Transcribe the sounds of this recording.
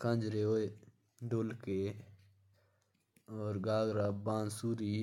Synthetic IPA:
kʰɐ̃nd͡ʒɾeoe | ɖoːlke | oːɾɡaːɡɾaːbãːnsuɾiː

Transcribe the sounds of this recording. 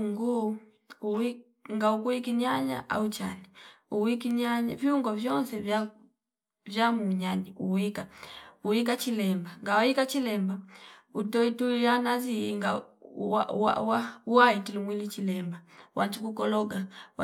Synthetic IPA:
ŋɡu | ui | ŋɡaukuikiɲaɲa̰ʔa̰ut͡ʃani | uwikiɲaɲaviuŋɡɔvjɔnsɛva | vjamuɲaniuwikauik̬at͡ʃilɛmbaŋɡawaikat͡ʃilɛmbautɔituijanaziŋɡaaa̰wauwaitilumwilit͡ʃilɛmbawʔatukukɔlɔɡaw

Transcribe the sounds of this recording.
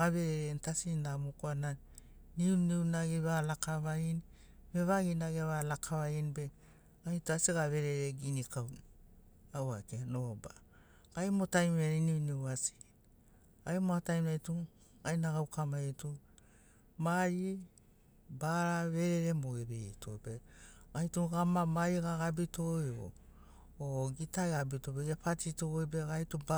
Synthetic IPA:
ɡaβe̞ɾeɾentasinamukoana | niunewnaɡiβalakaβain | beβaɡinaɡeβalakʰaβainbe | ajtuasiɡaβe̞ɾeɾeɡinikawn | awakenoba̰ | ɡ̥ajmotajmeɾiniunewasi̥ | ajmoatajmajtu | ajnaɡawkʰamaitu | maɾi | baɾaβe̞ɾeɾemoɡeβetʰojbeajtuɡamamaɾiɡaɡabitojo̰ | oɡitaɡabitobeapatitoojbeɡajtuba

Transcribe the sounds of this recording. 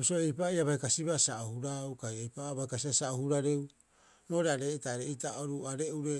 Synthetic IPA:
bisoejpajaβajkasiβasaohuɾawkajejpaβajkasiβasaohuɾaɾew | no̞ːɾeaɾe̞taɾeitaoɾuaɾe̞uɾe

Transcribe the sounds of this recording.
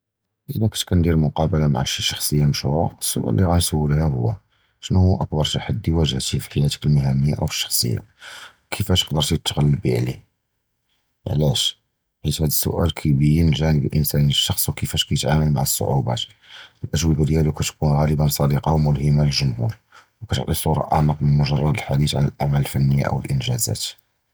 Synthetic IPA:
ʔəlækæ̥t̪kænd̪iɾmʊqɑbəlama̰ʕaʃiʃɑ̥xsˤəjːaməʃuwæəsːʊ̰ʔæ̰lːiɣænsəwːəlhæhʊ̰wːæ | ʃnhuʔəkbɑɾˤʃaħəd̪ːiwæʒəht̪ifi̥ħajæt̪ə̥kəlməɦæməjːa̰ʔæ̰wfə̥ʃːɑ̥xsˤə̰jːa̰wkʰəfæʃə̥qd̪əɾˤt̪jət̪ːɣælːəbiʕlḭ | ʕlæʃ | ħit̪hæd̪əsːʊ̰ʔælkʰæbəjnəlʒænəbəlʔənsæniəʃːɑxsˤwkəfæʃkæjət̪ʕaməlma̰ʕəsːo̰ʕubæ̰t̪ək | əlʔəʒwibəɾjælukæt̪kunɣæləbənsˤɑd̪iqɑwmʊlhəmːaləlʒʊmhṵɾ | wkæt̪ə̰ʕt̪ˤisˤuɾˤɑ̰ʔa̰ʕməqmənmʊʒɑrˤːɑd̪əlħad̪iθʕa̰nəlʔaʕmæləlfænːəjːa̰ʔə̰wəlʔənʒæzæ̰t̪

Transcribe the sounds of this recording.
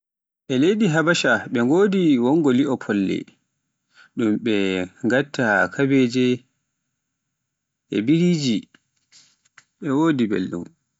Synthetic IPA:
ʔɛlejdiɦabaʃaɓɛŋɡoːdiwɔŋɡɔliʔɔpʰɔlːɛ̰ | ɗumɓɛŋɡatːakʰabeːd͡ʒɛ | ʔɛ̰biɾid͡ʒi | ɓɛwoːdibḛlɗṵm

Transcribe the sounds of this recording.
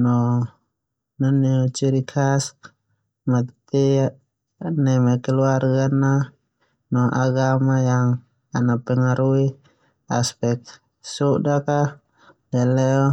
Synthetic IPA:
nɔ | nanit͡ʃiɾikʰas | mat̪t̪ia | nɛmɛkɛluarɡana | nɔʔaɡamajaŋ | anapɛŋaɾui | aspɛk̚ | suʔdaka | alɛɔ

